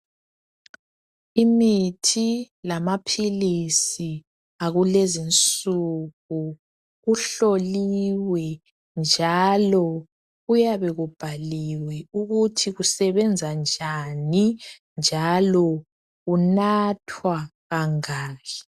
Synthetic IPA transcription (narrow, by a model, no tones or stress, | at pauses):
imitʰi | lamapʰilisi | aɣulezint͡sʼuɣu | ɣuɬoliwɛ | nd͡ʒʱalɔ | ɣujaβɛɣub̥ʱaliwɛuɣutʰiɣusɛβɛnd͡zʱand͡ʒʱani | nd͡ʒʱalɔ | ɣunatʰwaɣaŋaːɣɛ